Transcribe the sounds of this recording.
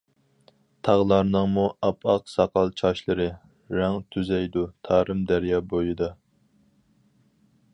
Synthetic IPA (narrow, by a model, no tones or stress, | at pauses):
t̪ʰɑʁlˠɑɾnɨŋmuʔɑpʰɑqsɑqɑlˠt͡ʃʰɑʃlˠɨɾɨ | ɾæŋt̪ʰyzɛjd̪ut̪ʰɑːɾɨmd̪æɾjɑːbojɨd̪ɑ